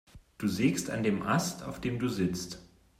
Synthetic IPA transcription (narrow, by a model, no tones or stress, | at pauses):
d̥uːzeːksta̰ndeːmʔa̰stʰa̰ʊfd̥eːmduːzɪt͡st